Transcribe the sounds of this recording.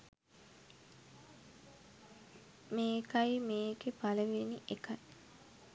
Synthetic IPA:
meːkajmeːkepaləʋeniʔekaj

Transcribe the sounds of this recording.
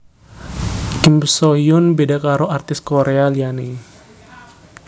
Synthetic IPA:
kimsoiʊnbedakaɾɔart̪ɪskoɾealiani

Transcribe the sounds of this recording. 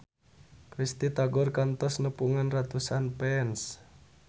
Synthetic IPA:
kɾist̪it̪aɡɔrkant̪ɔsnəpuŋanrat̪usanpɛns

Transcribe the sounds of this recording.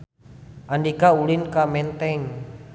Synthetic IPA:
ʔandikaulinkamɛnt̪ɛŋ

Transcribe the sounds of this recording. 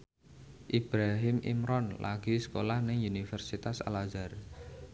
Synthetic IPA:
ʔib̥ɾaɦɪmʔḭmɾɔnla̰ɡ̥isə̥kolahnɪŋunifɛrsit̪asa̰lazar

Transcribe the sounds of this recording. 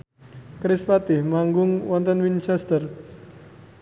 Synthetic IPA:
kɾɪspat̪ɪhmaŋɡʊŋwɔnt̪ənwint͡ʃɛst̪ər

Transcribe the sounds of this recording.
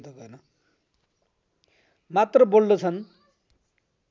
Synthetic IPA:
t̪ʌkʌnʌ | mat̪rʌbolnʌt͡sʰʌn

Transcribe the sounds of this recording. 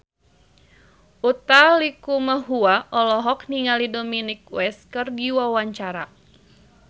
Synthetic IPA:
ʔut̪alikuməɦuaʔɔlɔɦɔk̚niŋalidominik̚wɛskərdiwawaɲt͡ʃaɾa

